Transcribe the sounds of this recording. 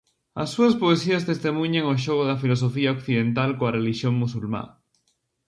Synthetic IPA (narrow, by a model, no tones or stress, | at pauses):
a̰sːuaspoesiast̪est̪emũɲẽŋoʃ̬oɣoðafilosofiaokθiðẽnt̪alkoareliʃjoŋmusulma̰